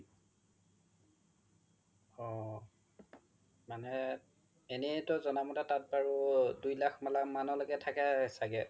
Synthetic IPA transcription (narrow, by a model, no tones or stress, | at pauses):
ɔ | manɛ | enɛtɔzɔnamɔtɛtat̚baɹudujlakʰmalamanɔlɔkɛtʰakɛsaɡɛ